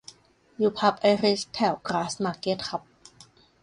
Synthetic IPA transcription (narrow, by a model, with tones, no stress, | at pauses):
juː˧˩pʰa˧˥p̚ʔa˧˥ɾi˦˥st̪ʰɛ˧˩wkɾaː˦˥smaː˧ke˧˥t̪̚kʰa˧˦˥p̚